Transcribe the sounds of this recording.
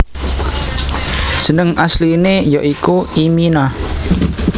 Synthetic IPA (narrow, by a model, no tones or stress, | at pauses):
ʒ̥ə̤nəŋaslinejɔʔikuimina